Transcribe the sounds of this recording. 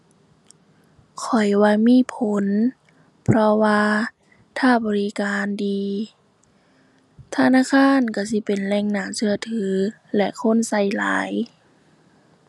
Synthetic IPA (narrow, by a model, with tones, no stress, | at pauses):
kʰɔ˨˩jwaː˧miː˧˥˨pʰo˨˦n | pʰɾɔ˧waː˧ | t̪ʰaː˧˥˩bɔː˨li˦˥kaː˨ndiː˨˧ | t̪ʰa˧naː˧˥˨kʰaː˧˥˨nka˧˩si˧˦pe˨nlɛː˧˩ŋnaː˧˩sɯ˧ɐt̪ʰɯː˨˦ | lɛ˧ʔkʰo˧˥˨nsa˧˩jla̰ː˨˦j